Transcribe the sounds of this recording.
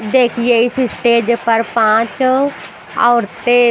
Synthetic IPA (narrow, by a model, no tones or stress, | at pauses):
d̪eːkʰijeːɪsɪsʈeːd͡ʒpəɾpãːt͡ʃ | ɔːɾt̪eː